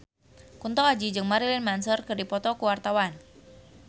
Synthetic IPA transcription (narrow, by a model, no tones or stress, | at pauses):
kunt̪ɔkad͡ʒid͡ʒɨŋmaɾilɪnmansərkərdipɔt̪ɔkuwart̪awan